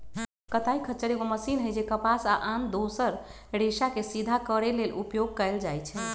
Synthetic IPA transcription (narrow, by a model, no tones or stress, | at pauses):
kət̪aikʰəːt͡ʃːəɾeɡoməsinɦəjd͡ʒekəpasaʔand̪osəɾ | ɾeʃakesid̪ʱakəɾelelʔupjoɡ̚kəɪld͡ʒajt͡ʃʰɛ